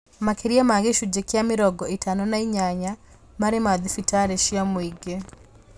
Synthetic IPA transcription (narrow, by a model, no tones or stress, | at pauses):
makeɾiamaɣeʃud͡ʒekeamɪɾɔɡɔitʰanɔnaiɲaɲa | maɾemaðifitaɾɛʃiamoiɡe